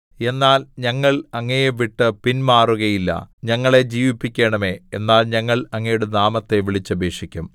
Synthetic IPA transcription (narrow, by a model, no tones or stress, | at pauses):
e̞nːaːlɲɐŋːɐɭɐŋːɐjeʋiʈːɨpinmaːruɣɐjilːɐ̰ɲɐŋːɐɭe̞d͡ʑiːʋipːikʲːeːɳɐme̞enːaːlɲɐŋːɐɭɐŋːɐjuɽenaːmɐt̪ːe̞ʋiɭit͡ɕːɐbʱeːʂikʲːum